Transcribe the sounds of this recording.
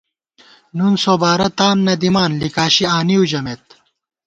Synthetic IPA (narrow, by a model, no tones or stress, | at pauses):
nunsoːbaːɾɐt̪aːnːɐd̪imaːnlikaːɕiaːniud͡ʑɐmeːt̪̚